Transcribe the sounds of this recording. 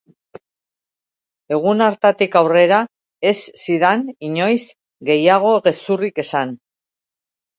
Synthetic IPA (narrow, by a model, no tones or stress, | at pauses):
e̞ɣ̞unaɾt̪at̪ikawre̞ɾa | e̞sːiðaniɲo̞js | ɡe̞jaɣ̞o̞ɣe̞surike̞san